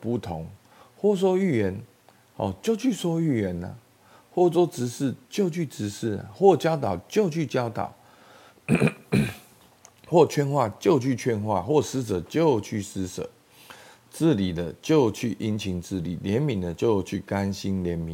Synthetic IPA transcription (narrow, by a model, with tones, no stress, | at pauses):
pu˥˩t̪ʰo˨˦ŋ | xwɔ˥˩s̬wɔ˥y˥˩ɥɛ˧˦n | hɔ̰˨t͡ɕjo˥˨ʊt͡ɕʰy˥˩swɔ˥y˥˩ɥɛ˨˦na̰˨ | xwɔ˥˩t͡swɔ˥t͡sɻ̩˧˦ʂ̩˥˩t͡ɕjo˥˧ʊt͡ɕʰy˥˩t͡sɹɻ̩˧˥ʂɻ̩˥˩a̰˨˩xwɔ˥˩t͡ɕjɑ˥ʊt̪ɑ˨˩ʊt͡ɕjo˥˧ʊt͡ɕʰy˥˨t͡ɕjɑ˦˥ʊt̪ɑ̰˨˩˦ʊ | xwɔ˥˩t͡ɕʰɥɛ˥˧nxwa˥˨t͡ɕjo˥˧ʊt͡ɕʰy˥˨t͡ɕʰɥɛ˥˧nxwa̰˥˨xwɔ˥˩ʂɹ̩˦t͡sə˨˩t͡ɕjo˥˨ʊt͡ɕʰy˥˩sɹ̩˥t͡sə̰˨˩˦ | t͡sɹ̩˥˨li˨˩d̪ə˦t͡ɕjo˥˨ʊt͡ɕʰy˥˩ʔi˦nt͡ɕʰi˧˥ŋt͡sɹ̩˥˨lḭ˨˩ljɛ˨˦nmi˨˩ŋd̪ə˨t͡ɕjo˥˧ʊt͡ɕʰy˥˩ka˦nɕi˦nljɛ˨˦nmi˨˦